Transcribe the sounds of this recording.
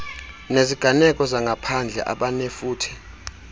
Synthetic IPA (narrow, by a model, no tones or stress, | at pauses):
neziɡ̥ʱanɛkʼɔzaŋɡʱapʰand͡ɮʱɛ̰ʔa̰ɓanɛfuːtʰi̥